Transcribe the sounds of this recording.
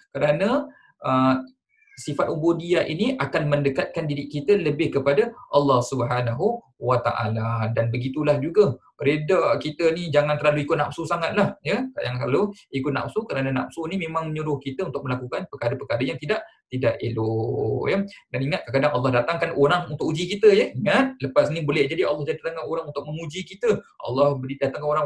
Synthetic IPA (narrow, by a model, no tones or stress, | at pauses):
kəɾanə | ə | sifat̪̚obodiaʔiniʔakanməndəkat̪̚kandidɪʔkːit̪ələbɪhkəpadaʔalːɑhsubəɦanaɦu | wat̪a̰ʔa̰ladanbəɡit̪ulahd͡ʒuɡə | ɾedakit̪ənid͡ʒaŋant̪əɾlaluikʊt̪̚nap̚susaŋat̪̚lahjəka̰daŋkaloikʊt̪̚na̰p̚sukənanana̰p̚sunimemaŋməɲuɾʊhkit̪əunt̪ʊk̚məlakukanpəkaɾəpəkaɾəjaŋt̪idaʔ | t̪idaʔḛlojədaniŋat̪̚kakadaŋɑlˠːɑɦdat̪aŋkanʔoɾaŋunt̪ʊkud͡ʒikit̪əjəiŋat̪̚ləpasnibolɛhd͡ʒadiɑlːɑhd͡ʒadit̪at̪aŋanoɾaŋunt̪ʊk̚məŋud͡ʒikit̪əʔɑ̰lːɑhbəɾidat̪aŋkanoɾaŋ